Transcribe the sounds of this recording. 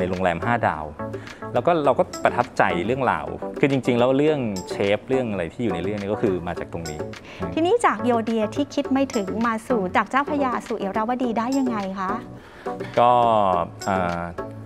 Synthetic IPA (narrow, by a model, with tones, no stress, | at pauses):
a˧jɾo˧ŋlɛː˧mɦaː˥˩da̰ː˧˩wlɛ˦˥wkɔː˥˩ɾa˧wkɔː˥˩pɾa˧t̪ʰa˦˥p̚t͡ɕa˧jɾɯ˥˩əŋla̰ː˨˩wkʰɯː˧t͡ɕi˧ŋt͡ɕi˧ŋlɛː˦˥wɾɯ˥˩əŋt͡ɕʰeː˦˥p̚ɾɯ˥˩əŋʔa˧ɾa˧jt̪ʰiː˥˩juː˨˩na˧˦jɾɯ˥˩ŋniː˥˩kɔ˥˩kʰɯː˧maː˧t͡ɕaː˨˩kt̪o˧ŋniː˦˥ | t̪ʰiː˧niː˦˥t͡ɕaː˨˩k̚joː˧di˧ɐt̪ʰiː˥˩kʰi˦˥t̪̚ma˥˩jt̪ʰɯ˩˦ŋmaː˧suː˨˩t͡ɕaː˨˩k̚t͡ɕaː˥˩wpʰa˧jaː˧suː˨˩ʔi˨˦wɾa˧˩waː˧˥diː˧daː˥˩jːa˧ŋːa˧jkʰa˦˥ʔ | kɔː˥˩ʔɤː˨˩